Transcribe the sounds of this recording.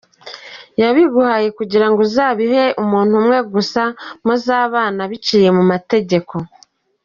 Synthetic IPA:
jaβiɡuhaːje̞kuɟiɾaŋɡozaːβiɦe̞ʔumuːn̥humŋe̞ɡusamozaːβaːnaβicije̞mumate̞ɟe̞ko̞

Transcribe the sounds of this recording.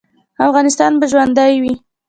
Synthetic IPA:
afɣɑnɪst̪ɑnbaʒwand̪ajwi

